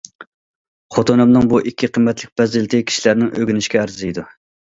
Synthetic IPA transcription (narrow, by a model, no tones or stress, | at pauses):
χot̪onɨmnɨŋbuʔikʲʰːiqʰəmːɛt̪lɪk̚ʲbɛzɪlɪt̪ʰɪkʲʰi̥ʃilæɾnɪŋʔøɡʲynɪʃkʲɛæɾzɪid̪u